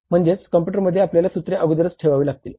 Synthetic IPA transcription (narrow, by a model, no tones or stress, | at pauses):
m̤əɳd͡zet͡skəmp̬juʈ̬əɾməd̪ʱːjeapljalasut̪ɾeʔəɡʱud̪əɾət͡sʈʰeʋaʋuːlaɡ̚t̪iːl